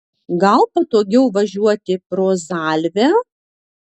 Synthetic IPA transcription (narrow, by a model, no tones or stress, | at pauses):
ɡɐlˠpɐt̪oːɡʲɛʊʋɐʒʲuɔt̪ʲɪpɾoːzaːlʲʋʲæ